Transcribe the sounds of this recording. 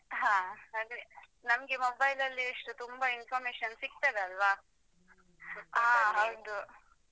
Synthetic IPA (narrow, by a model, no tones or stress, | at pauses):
ɦãːhaːd̪ɾe | nɐmɡemobɐjlɐlːiɐʂʈut̪umbɐinfʰɐːɾmeːʂɐnsik̚t̪ɐːd̪eɐlʋa | aːɦɐwd̪u